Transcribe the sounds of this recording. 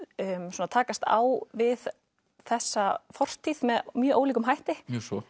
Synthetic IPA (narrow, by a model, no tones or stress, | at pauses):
msuːnat̪ʰaːkast̪a̰wvɪð | θɛsːafɔr̥t̪ʰiðmɛðmjœːʔoːwliːkʏmɦajht̪ɪsɔ